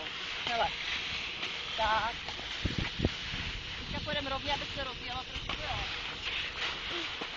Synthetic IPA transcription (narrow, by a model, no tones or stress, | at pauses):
hɛlɛ | t̪ak | ɛt̪kapojɛdɛmɾovɲɛabɪxsɛɾozvijɛlap̪ɾosɛtoja